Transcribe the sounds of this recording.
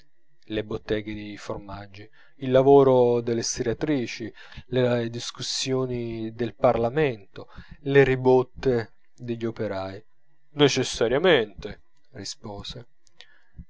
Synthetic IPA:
lebot̪ːɛːɡed̪ejformad͡ʒːi | ilːavoːɾod̪elːest̪iɾat̪ɾiːt͡ʃi | led̪iskusːjoːnid̪elparlament̪oleɾibot̪ːe | d̪eʎːopeɾaːj | net͡ʃesːaɾjament̪e | rispoːse

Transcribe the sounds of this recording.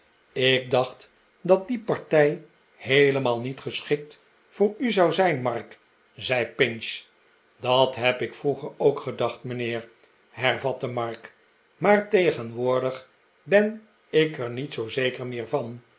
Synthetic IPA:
ɪk̚dɑχt | dɑt̚dipɑɹtɛj | hejləmaːlˠnitχəsχɪk̚t | fʊːɹyzɑwzɛjnmɑrk | zɛjpɪnʃ | dɑtɦɛpɪkfruχəɹowkχədɑχtmənɪːɹ | ɦɛrvɑtəmɑɹk | maːɹtejχənʋʊːɹdəχ | bɛn | ɪkəɹnitsowzejkəɹmɪːɹvɑn

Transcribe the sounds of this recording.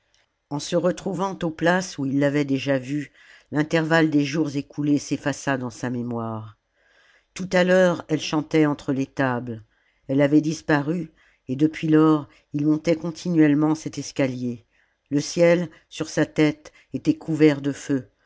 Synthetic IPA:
ɑ̃səʁət̪χuvɑ̃t̪oplasuilːavɛd̪eʒavy | lɛ̃t̪ɛʁvald̪eʒuʁzekʰulesefasad̪ɑ̃samemwaʁ | t̪ut̪alœʁɛlʃɑ̃t̪ɛɑ̃t̪χəlet̪abl | ɛlavɛd̪ispaʁy | ed̪əpɥilɔʁ | ilmɔ̃t̪ɛkɔ̃t̪ʰinɥɛlmɑ̃sɛt̪ɛskʲalje | ləsjɛl | syʁsat̪ɛt̪ | et̪ɛkʰuvɛʁd̪əfø

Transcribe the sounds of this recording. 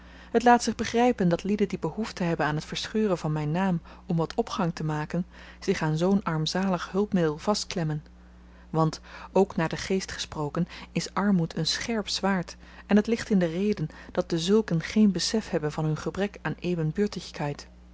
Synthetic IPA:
ɦətlaːtsɪχbəχrɛjpəndɑtlidəndibəɦuftəɦɛbənaːnɦətfəɹsχøːrənvɑnmɛjnːaːm | ɔmʋɑtʰɔpχɑŋtəmaːkən | z̥ɪχaːnzownɑɹmzaːləχɦɵlˠpmɪdəlˠvɑstklɛmən | ʋɑntowknaːɹdəχejstχə̥sprowkənɪsʔɑɹmutʰənsχɛɹpz̥ʋaːɹt | ɛnɦətlɪχtɪndərejdənd̥ɑt̚dəzɵlˠkənχejnbəsɛfhɛbənvɑnɦɵnχəbrɛkaːnejvənbøːɹtɪχkɦɛjt

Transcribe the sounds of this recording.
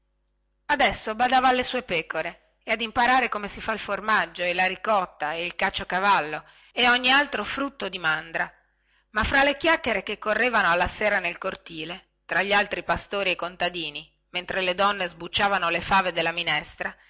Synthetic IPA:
ad̪ɛsːobad̪aːvaːlːesuːepɛːkoɾe | ead̪impaɾaːɾekomesifailformad͡ʒːoelaɾikɔt̪ːaeilkat͡ʃːokavalːo | eoɲːialt̪ɾofɾut̪ːod̪imand̪ɾa | mafɾalːek̟jakːeɾekekːorːeːvanoalːaseːɾanelkort̪iːle | t̪ɾaʎːialt̪ɾipast̪oːɾiekːont̪ad̪iːni | ment̪ɾeled̪ɔnːezbut͡ʃːaːvanolefaːved̪elːaminɛst̪ɾa

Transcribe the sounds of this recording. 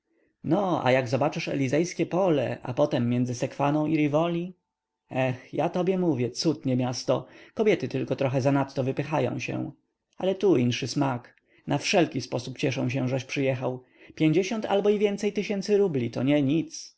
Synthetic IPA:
nɔa̰jaɡzɔbat͡ʂɘʂɛ̰lʲizɛjskʲɛpɔlɛ̰ʔa̰pɔt̪ɛmːjɛnzɘsɛkfanɔ̃w̃iɾivɔlʲi | ɛxjat̪ɔbʲjɛmuvʲjɛt̪sut̪ɲɛmʲjast̪ɔkɔbʲjɛt̪ɘt̪ɘlkɔt̪ɾɔxɛzanat̪ːɔvɘpɘxajɔ̰̃w̃ɕɛ̰ | alɛt̪uinʂɘsmak | nafʂɛlkʲispɔsupt͡ɕɛʂɔ̃w̃ɕ̬ɛʐɛɕpʂɘjɛxaw | pʲjeɲd͡ʑeɕɔnt̪ʰa̰lbɔivʲjɛnt̪sɛjt̪ɘɕɛnt̪sɘɾublʲit̪ɔɲɛɲit̪s

